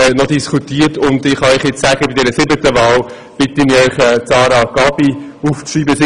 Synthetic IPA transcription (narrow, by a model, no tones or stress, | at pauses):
nɔdiskʰutiːəɾtʊndɪχhɑœʏχjɪt͡ssæɡ̥əbidɛɾəsɪbətəʋɑːl | b̥ɪtəmiœʏχɛt͡sɑːɾɑɡ̥ɑːb̥i | uːft͡sriːbəs